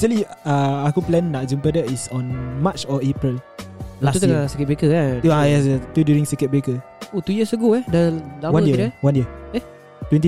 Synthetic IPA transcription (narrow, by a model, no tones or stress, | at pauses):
k̚təliaakuplɛ̃nːaʔ̚d͡ʒũmpədəisɔ̃nmat͡ʃɔepɾəllast̪səkət̪̚bekəauaɛsət̪udjuɹĩŋsəkɛt̚bekəot̪ujəsəɡoɛdadawãnjəidwãnjəe | t̪wɛ̃nti